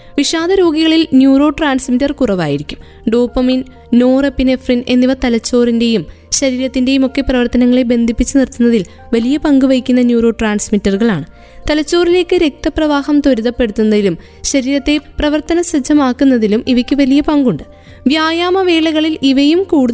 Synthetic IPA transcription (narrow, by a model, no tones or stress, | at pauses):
ʋiʂaːd̪ɐɾo̞ːɡiɣɐɭilnjuːro̞ːʈraːnsmitːɐrkurɐʋa̰ːjiɾikʲːum | ɖo̞ːpːɐmin | no̞ːrɐpːine̞frine̞̰nːiʋɐt̪ɐlɐt͡ɕːo̞ːrinde̞jum | ɕɐɾiːɾɐt̪ːinde̞jumo̞kːe̞prɐʋɐrt̪ɐnɐŋːɐɭebe̞nd̪ʱipːit͡ɕːɨnirt̪ːunːɐðil | ʋɐlijɐpɐŋɡuʋɐjikʲːunːɐnjuːro̞ːʈraːnsmitːɐrɣɐɭaːɳɨ | t̪ɐlɐt͡ɕːo̞ːrile̞ːkːɨɾe̞k̚t̪ɐprɐʋaːɦɐmt̪oɾuðɐpːe̞ɽut̪ːunːɐðilum | ɕɐɾiːɾɐt̪ːe̞prɐʋɐrt̪ɐnɐsɐd͡ʑʱːɐmaːkːunːɐðilumiʋɐkʲːɨʋɐlijɐpɐŋɡuɳɖɨ | ʋjaːjaːmɐʋe̞ːɭɐɣɐɭiliʋɐjumkuːɽu